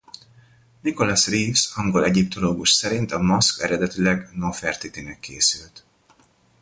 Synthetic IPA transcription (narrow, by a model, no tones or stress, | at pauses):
niko̞lasriːfsɒŋɡo̞lɛɟip̚t̪o̞loːɡuʃsɛɾint̪ɒmɒskɛɾɛd̪ɛt̪ilɛɡnofɛrt̪it̪inɛkːeːsylt̪